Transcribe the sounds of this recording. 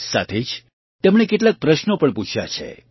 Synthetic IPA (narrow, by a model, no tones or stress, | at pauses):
sa̰t̪ʰed͡ʒ | t̪emɳekeʈ̬lak̚pɾəʃnopəɳput͡ʃʰja̰t͡ʃʰḛ